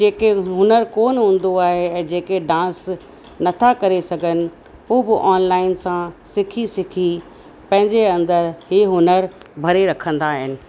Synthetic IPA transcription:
d͡ʑeːkeɦʊnəɾkoːnɦũːn̆d̪oaːɦeɛ̃ːd͡ʑeːkeɖãːs | nɐt̪ʰakɐɾesɐɡʱənɪ̆ | uɦbɪʔɔːnlaːɪnsãsɪkʰisɪkʰi | pɐ̃ɦɪ̃ɲd͡ʑeɐ̃nd̪əɾhiːɦʊnəɾbʱɐɾeɾɐkʰə̃nd̪aːɦɪnɪ̆

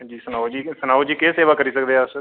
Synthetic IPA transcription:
d͡ʒiːsənaːd͡ʒiːsənaːod͡ʒiːkeːseːʋaːkəɾiːsəkd̪eːs

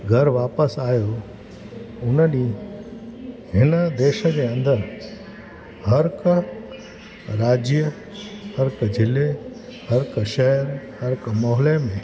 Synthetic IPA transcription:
ɡʱɐɾʋaːpəsaːjo | ʊnəni | ɦɪnəd̪eːʃəd͡ʑeɐ̃nd̪əɾ | hɐɾk | ɾaːd͡ʒjə | hɐɾkd͡ʑʱɪlehɐɾkʃɛɦɾhɐɾkmɔɦlemẽ

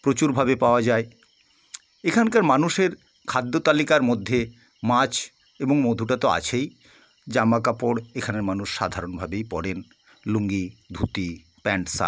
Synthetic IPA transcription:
pɾot͡ɕuɾbʱabepaoad͡ʑae | ekʰankaɾmanuʃeɾ | kʰad̪ʱːot̪alikaɾmod̪ʱːe | mat͡ɕʰ | eboŋmod̪ʱuʈat̪oa̰t͡ɕʰej | d͡ʑamakapoɽekʰaneɾmanuʃʃa̰d̪ʱaɾonbʱabejpɔɽen | luŋɡid̪ʱut̪i | pɛɳʈsa̰

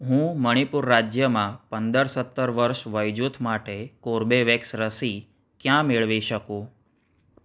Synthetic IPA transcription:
ɦũməɽ̃ipʊɾːad͡ʒjəmãpənd̪əɾsət̪ːəɾʋəɾʃʋəjd͡ʒut̪ʰmaʈekoɾbeʋeksɾəsi | kjãmeɭʋiʃəkũ

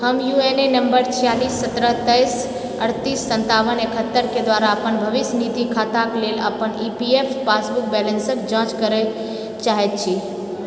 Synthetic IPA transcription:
həmjuenenəmbəɾt͡ʃʰijalisːət̪ɾəɦt̪əjs | əɽt̪isːə̃nt̪aʋənekʰət̪ːəɾked̪ʋaɾaəpənbʱəʋisnid̪ikʰat̪aklelə̰pənipiepʰpasbuk̚bɛlənsəkd͡ʒãt͡ʃkəɾɛ | t͡ʃaɦɛt̪̚t͡ʃʰi

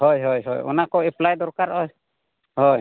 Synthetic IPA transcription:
ɦɔjɦɔjɦɔ̰jɔ̰nakɔɛplajd̪ɔɾkaɾɔj | hɔj

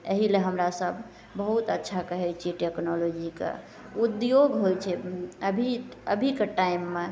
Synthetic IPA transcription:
əɦileɦəmɾasəbʱː | əɦut̪ətːʃʰakəɦɛjt͡ʃʰiʈeknolod͡ʒikḛ | ud̪joɡɦojt͡ʃʰɛəbʱiəbʱikeʈaimːe

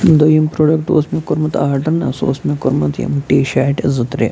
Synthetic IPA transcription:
d̪ojimpɾoːɖɐk̚ʈ̚d̪o̰ːsmekoɾmɐt̪aːɾɖɐnɐso̰ːsmekoɾmɐt̪jɐ̰mʈiːʃaːʈezɨt̪ɾḛ

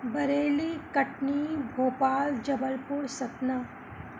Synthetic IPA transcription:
bɐɾeːlikɐʈnibʱoːpaːld͡ʒɐbəlpʊɾsɐt̪na

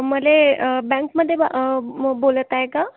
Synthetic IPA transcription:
məlebɛ̃ŋkməd̪ʱːje | bolət̪aɦeka

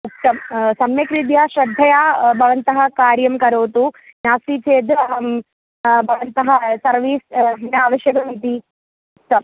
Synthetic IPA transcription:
uk̚t̪ɐmsɐmjɐkɾid̪jaːʃɾɐd̪ʱːɐjaːbʱɐʋɐnt̪ɐɦɐ̆kaːɾjɐmkɐɾoːt̪u | naːsit͡ʃeːd̪ɐɦɐ | bʱɐʋɐnt̪ɐɦɐsɐɾʋiːsɦɐnaːʋɐʃjɐkɐmit̪i | uk̚t̪ɐm

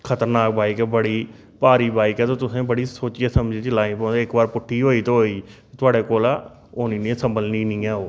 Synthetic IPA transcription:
kʰət̪əɾnaːk̚baːɪkɛbəɽiː | paːɾiːbaːɪkɛːt̪õːt̪ʊsẽːbəɽiːsoːt͡ʃijaːsəmd͡ʒeːt͡ʃɪlaːĩːpɔ̃ːnd̪ɪkbaːɾpʊʈʰːiːɦoːiːt̪õːɦoːiː | t̪ʰʊaːɽeːkoːla | oːniːnĩsəmbəlniːnĩːɛːɦoː

